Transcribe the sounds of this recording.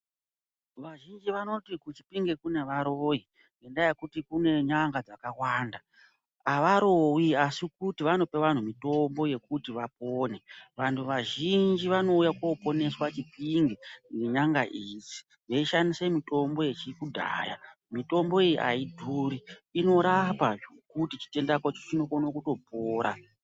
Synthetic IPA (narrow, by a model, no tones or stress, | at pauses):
ʋaʒind͡ʒiʋano̞tikut͡ʃi̥piŋɡekune̞ʋaɾoji | endajekutikune̞ɲaŋɡad͡zakawaːnda | aʋaɾowiasikutiʋano̞pe̞ʋan̤umito̞mbo̞je̞kutiʋap̚oːne̞ʋantʰuʋaʒind͡ʒiʋano̞ujakopo̞ne̞swat͡ʃipiŋɡieɲaŋɡaʔizi̥ | ʐeiʃanisemito̞mbo̞je̞t͡ʃikudʱa̰ːja̰ | mito̞mbo̞ejiʔa̰idʱuɾiino̞ɾapaʐokutit͡ʃi̥te̞ndakot͡ʃo̥t͡ʃino̞konokuto̞poːɾa̰